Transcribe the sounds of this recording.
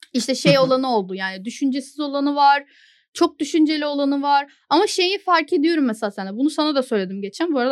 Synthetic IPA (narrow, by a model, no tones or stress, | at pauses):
iʃt̪ɛʃe̞jo̞lˠanɯo̞lˠd̪ujaːnid̪yʃynd͡ʒesizo̞lˠanɯvaɾ̥ | t͡ʃʰo̞k̚d̪yʃynd͡ʒelʲio̞lˠanɯvaɾ̥ | amaʃe̞jifaɾce̞d̪ijo̞ɾumːɛseasænd̪ɛbunusanad̪asø̞jlʲe̞d̪imɟe̞t͡ʃʰæmbuɾad̪